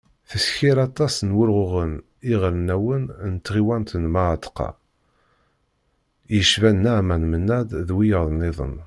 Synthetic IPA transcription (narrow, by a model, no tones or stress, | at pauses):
θəsçiɾɑt̪ˤːɑsnwʊɾʁʊʁən | iʁɾənæwənnt̪ːʁiwænt̪ənmaʕt̪qɑ̰ | jəʃvænːæʕmænmənːæd̪ðwijəɾðˤnːɪðˤə̰n